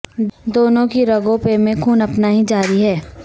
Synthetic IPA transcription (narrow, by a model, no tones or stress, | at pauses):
d̪oːnõkiɾɐɡõpemẽkʰuːnɐpnaɦid͡ʒaːɾiɦɛː